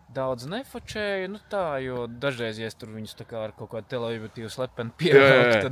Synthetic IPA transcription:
d̪awd̪znɛfɔt͡ʃɛːjnut̪aːjuɔd̪aʒɛjzɛst̪uɾʋiɲu̥st̪akaːaɾkokaːd̪̚t̪ɛlˠeibut̪iːwslˠɛpʲːɛnpʲiɛa

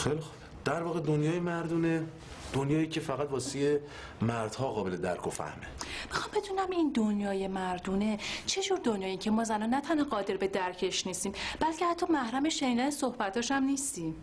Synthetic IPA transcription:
xejlixob̥ | d̪̥æɾvɒːɣed̪onjɒːjemæɾd̪uːne | d̪̥onjɒːiːcʰefæɣæt̪vɒːsije | mæɾd̪̥hɒːɣɒːbeled̪æ̰ɾkʰofæ̰hmeb̥ixɒmbe̞d̪uːnæmind̪onjɒːjemæɾd̪uːne̞t͡ʃʰe̞d͡ʒuːɾd̪o̞njɒːjeiŋcʰemɒːzænɒːnæt̪ʰænhɒːɣɒːd̪e̞ɾbe̞d̪æɾcʰe̞ʃniːst̪iːmb̥ælcʰehæt̪ʰːɒːmæhɾæmeʃeniːd̪ænesohbæt̪ʰɒːʃæmniːst̪iːm

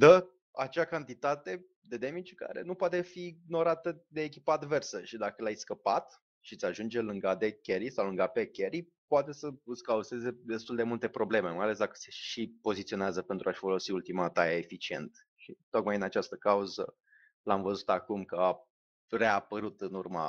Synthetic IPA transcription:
d̪ə | at͡ʃakant̪it̪at̪e̞ | d̪e̞d̪emit͡ʃka̰ɾe̞̰nupoat̪efino̞ɾat̪əd̪eːk̬ʲipəad̪ve̞rsəʃid̪akəlajskəpat̪ | ʃit̪sʲaʒund͡ʒe̞lɨŋɡad̪e̞kʲeɾisawlɨŋɡapekʲeɾi | poat̪e̞səɨskauze̞ze̞d̪e̞st̪uld̪e̞mult̪e̞pɾo̞ble̞me̞majale̞s̬d̪akə̥se̞ʃipo̞zit̪sio̞neazəpent̪ɾuaʃfo̞lo̞siult̪imat̪ajaefit͡ʃie̞̰nt̪ | ʃit̪o̞kmajɨnat͡ʃast̪əkauzə̰ | lamvəzut̪akumkəa | re̞apəɾut̪ɨnurma̰

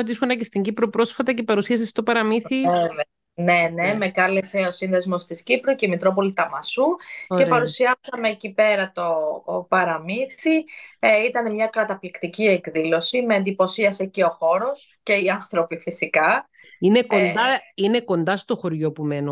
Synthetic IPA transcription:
ot̪iiskonɐcest̪iɲɟipɾopɾo̞sfɐt̪ɐce̞pɐɾusiɐsest̪o̞pɐɾɐmiθioe | ne̞neme̞kɐlese̞o̞sinðezmo̞st̪iscipɾoceimit̪ɾo̞po̞lit̪ɐmɐsueɾpɐɾusiɐsɐme̞cipe̞ɾɐt̪o̞pɐɾɐmiθiit̪ɐne̞mɲɐkɾɐt̪ɐplikt̪iciekðilo̞sime̞ːnd̪ipo̞siɐse̞ceo̞xo̞ɾo̞s | ce̞iɐnθɾo̞pifisikɐ | ine̞ko̞nd̪ɐine̞ko̞nd̪ɐst̪o̞xo̞ɾʝo̞pume̞no

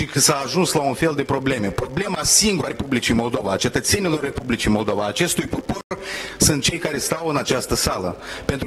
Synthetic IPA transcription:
iksaːʒunslaunfe̞ld̪e̞pɾo̞ble̞me̞pɾo̞ble̞masiŋɡuɾaepublit͡ʃijmo̞ld̪o̞vaːt͡ʃe̞t̪ət̪se̞nilo̞rːe̞publit͡ʃijmo̞ld̪o̞vaːt͡ʃe̞st̪ujpoporsɨnt̪̚t͡ʃe̞jkaɾe̞st̪awɨnat͡ʃast̪əsaləpe̞nt̪ɾ

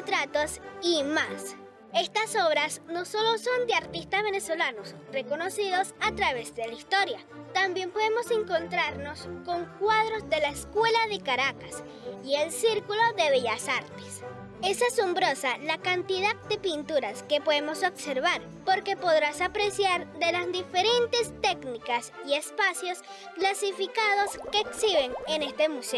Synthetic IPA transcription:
t̪ɾat̪osimas | e̞st̪aso̞β̞ɾasno̞so̞lo̞so̞nd̪eaɾt̪ist̪azβe̞ne̞so̞lano̞sre̞ko̞no̞siðo̞sat̪ɾaβ̞e̞zðe̞laist̪o̞ɾja | t̪ambje̞mpo̞ð̞emo̞se̞ŋko̞nt̪ɾaɾno̞sko̞ŋkwað̞ɾo̞zðe̞laeskwe̞laðe̞kaɾakas | ie̞lsiɾkulo̞ðe̞βeʝasaɾt̪es | e̞saso̞mbɾo̞salakant̪iðað̚d̪e̞pint̪uɾaske̞po̞ðemo̞so̞bse̞ɾβaɾ | po̞ɾke̞po̞ðɾasapɾe̞sjaɾðe̞lazd̪ife̞ɾe̞nt̪e̞st̪e̞knikasie̞spasjo̞s | klasifikað̞o̞ske̞ːksiβe̞ŋene̞st̪e̞muse

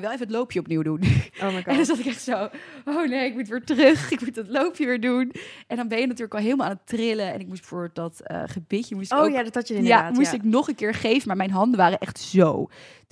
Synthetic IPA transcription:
jʋɛlˠevəətlowpjəɔpniwdunoɛndɑnzɑtɪkɛχtsowownejɪk̚mutʋɪːɹtrøχɪkmutɑtlowpjəʋɪːɹdunʔɛndɑnbɛnjənatyːɹləkɑlˠɦeɪlˠmalˠaːnətrɪləɛ̰nɪk̚musdbəfʊɹbɪlˠt̚dɑtə̰χəbɪtəmustːjadtɑtjɪjaaːmustɪknoχənkɪːɹχejvənmaːɹmɛjnɦɑndəʋaːrəʔɛχtz̥o̰w

